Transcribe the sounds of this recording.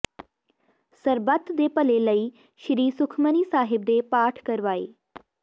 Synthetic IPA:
səɾbət̪d̪eːpəleləiː | ʃɾiːsukʰməniːsaːɦɪb̚d̪epaːʈʰkəɾʋaːe

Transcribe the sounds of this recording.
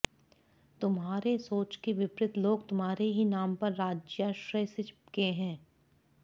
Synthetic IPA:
t̪ʊmɦaːɾesoːt͡ʃkeʋɪpɾɪt̪loːɡt̪ʊmɦaːɾeɦinaːmpɐɾːaːd͡ʒjaʃɾəjsɪkeɦɛ̃ː

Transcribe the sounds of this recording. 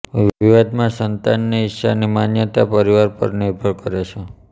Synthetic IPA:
iʋad̪mãsənt̪anːiɪʃanimanjət̪apəɾiʋaɾpə̰ɾniɾbʱəɭkəɾet͡ʃʰe

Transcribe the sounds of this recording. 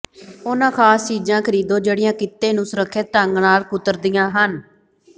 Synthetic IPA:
oːnãːkʰaːst͡ʃiːd͡ʒãːkʰəɾiːd̪õːd͡ʒeːɽɪjãːkɪt̪ːeːnũːsəɾəkʰːeːt̪əŋɡnaːlkʊt̪əɾd̪ɪjãːɦən

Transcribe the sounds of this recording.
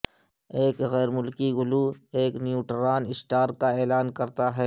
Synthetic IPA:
eːkɣɛːɾmʊlkiɡʊlueːknjuːʈɾaːnɪsʈaːɾkaeːlaːnkɐɾt̪aɦɛː

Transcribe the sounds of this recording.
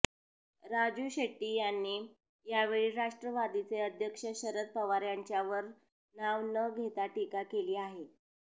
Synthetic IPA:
ɾad͡ʑuɕeʈːiːjanːiː | jaʋeɭiːɾaʂʈɾəʋad̪it͡seəd̪ʱjəkʂəɕəɾət̪̚pəʋaɾjaɲt͡ɕjaʋəɾ | naʋnəɡʱet̪aʈikakeliːaɦe

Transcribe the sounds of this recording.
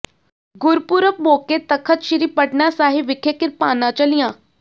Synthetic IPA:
ɡʊɾpʊɾəp̚moːket̪əkʰət̪ʃɪɾiːpəʈnasaːɦiʋɪkʰekɪɾpaːnãːt͡ʃəlijãː

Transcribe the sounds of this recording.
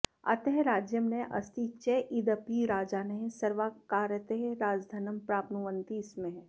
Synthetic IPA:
ɐ̰t̪eɦeɾaːd͡ʒjəmneʔɐ̰st̪iːt͡ʃeʔɪd̪əpiɾaːd͡ʒaːneɦsɐɾʋaːkaːɾət̪eɦeɾaːd͡ʒd̪ʱanəmpɾaːpnuʋə̃nt̪iːsmẽɦ

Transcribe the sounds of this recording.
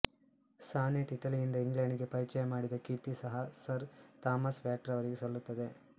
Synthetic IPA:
saːniʈiʈɐlijind̪ɐiŋɡɭaɳɖiɡe̞pɐɾit͡ʃɐjɐmaːɽid̪ɐkit̪isɐɦɐsɐɾt̪aːmɐsʋjaːʈɾɐʋɐɾiɡesɐlːut̪ːɐd̪e̞

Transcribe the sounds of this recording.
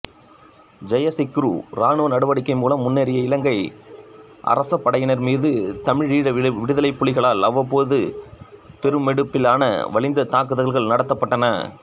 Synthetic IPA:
d͡ʒɐjɐsɪkːɾṵːɾaːɳɯʋɐnɐɽɯʋɐɽɪkːɐɪmuːlɐmːʊnːɛɾɪjɐɪlɐŋɡɐɪ | ʔɐ̰ɾɐsɐpːɐɽɐjɐɪnɐɾmiːðɯt̪ɐmɪɻiːɽɐʋɪɽɯðɐlɐɪpːʊɭɪɣɐɭaːlɐʋɐpːoːðɯ | pɛɾɯmɛɽɯpːɪlaːnɐ̰ʋɐɭɪnd̪ɐt̪aːkɯðɐɭɣɐɭnɐɽɐt̪ːɐpːɐʈːɐnɐ̰

